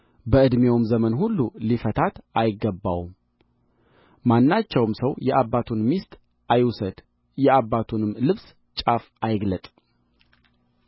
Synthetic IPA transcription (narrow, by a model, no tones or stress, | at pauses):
bəɨd̪mewmzəmənhulːulifət̪ʰat̪ajɪɡːəbːa̰wm | manːat͡ʃːɛwmsəwjɛʔabːat̪ʰunmist̪ʼ | ʔajsəd̪̥ | jɛabːat̪ʰunɨmlɨβs | t͡ʃʼaf | ajɪɡlət̪ʼ